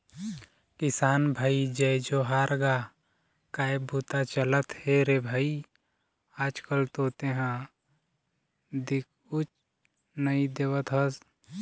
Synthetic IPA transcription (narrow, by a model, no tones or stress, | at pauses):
kɪsaːnbʱaːid͡ʒəjd͡ʒoɦaːɾɡaː | kaːebʱut̪at͡ʃələt̪heɾebʱaːi | aːd͡ʒkəlt̪oːt̪eɦã | d̪ɪk̚ʰ | ʊt͡ʃ | nəid̪eːʋət̪ɦəs